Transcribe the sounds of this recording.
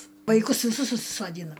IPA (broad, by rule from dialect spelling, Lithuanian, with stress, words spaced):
ʋɐɪˈkʊs ʋʲɪˈsʊs sʊsʲɪsoːˈdʲiːnɐ